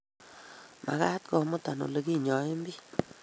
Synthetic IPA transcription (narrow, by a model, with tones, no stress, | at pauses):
ma̰˨ka˦t̪kɔ˨mo˦t̪a˨no̰˨le˨ɡi˦ɲɔ˨e˦mbi˦